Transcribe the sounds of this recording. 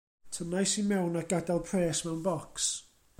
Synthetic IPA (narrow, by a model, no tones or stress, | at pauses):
tʰənajsimɛwnaɡadalˠpʰrɛːsmɛwnvɔks